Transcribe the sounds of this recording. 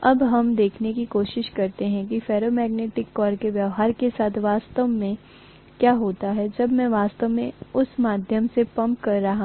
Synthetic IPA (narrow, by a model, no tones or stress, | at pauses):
ɐbɦɐmd̪eːkʰnekikoːʃɪʃkɐɾt̪eɦɛ̃k̬ifɛːɾomɛːɡneːʈɪkːɔːɾkeʋjɐʋɦaːɾkesaːt̪ʰʋaːst̪əʋmẽ | kjaːɦoːt̪aɦɛd͡ʒɐbmɛ̃ʋaːst̪əʋmẽʊsmaːd̪ʱjəmsepɐ̃mpkɐɾːɐɦa